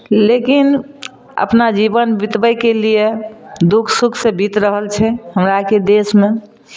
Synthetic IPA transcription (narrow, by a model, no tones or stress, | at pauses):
lekin | ə̰pnad͡ʒibənbit̪bəjkelijed̪ukʰsukʰsẽbʱit̪ɾəɦəlt͡ʃʰɛɦəmɾaked̪esme